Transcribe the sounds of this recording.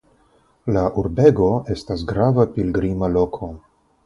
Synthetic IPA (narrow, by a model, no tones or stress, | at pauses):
laʔuɾbe̞ɡo̞e̞stasɡɾavapilɡɾimalo̞kʰo̞